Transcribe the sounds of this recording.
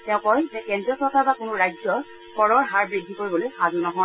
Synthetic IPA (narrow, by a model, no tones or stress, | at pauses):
tɛ̃ʊ̃kɔjzɛkɛndɹɔsɔɹkaɹbakʊnʊɹajd͡ʒzɔ | kɔɹɔɹɦaɹbɹidʱikoɹibɔlojxazunɔɦɔ